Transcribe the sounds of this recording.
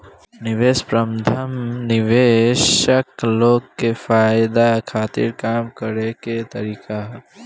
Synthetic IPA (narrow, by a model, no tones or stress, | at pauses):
nɪʋeːspɾɐmd̪ʰʱəmnɪʋeːʃəkloːɡkefaːjd̪akʰaːt̪ḭɾkaːmkəɾeket̪ɐɾiːka